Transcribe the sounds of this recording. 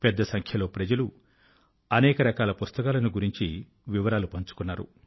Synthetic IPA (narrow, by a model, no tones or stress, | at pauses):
pɛd̪ːɐsɐŋkʰjɐlo̞ːpɾɐd͡ʒɐlu | ɐnɛːkɐɾɐkaːlɐpust̪ɐkaːlɐniɡuɾiɲt͡ʃi | ʋiʋɐɾaːlupɐɲt͡ʃu̥kunːaːɾu